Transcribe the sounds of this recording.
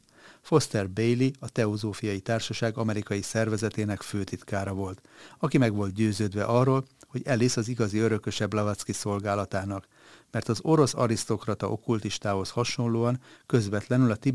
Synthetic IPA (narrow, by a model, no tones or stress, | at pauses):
fo̞st̪ɛrbejliɒt̪ɛo̞zoːfijɒjit̪aːrʃɒʃaːɡɒmɛɾikɒjisɛrvɛzɛt̪eːnɛkføːt̪it̪kaːɾɒvo̞lt̪ɒkimɛɡʋo̞lt̪̚ɟøːzøːd̪ʋɛ̰ʔɒrːoːlho̞ɟɛlisɒziɡɒziø̞ɾø̞kø̞ʃɛblɒvat̪skiso̞lɡaːlɒt̪aːnɒk | mɛrt̪ɒzo̞ɾo̞sɒ̰ɾist̪o̞krɒt̪ɒʔo̞̰kult̪iʃt̪aːho̞shɒʃo̞nloːɒŋkø̞zʋɛt̪lɛnylɒt̪i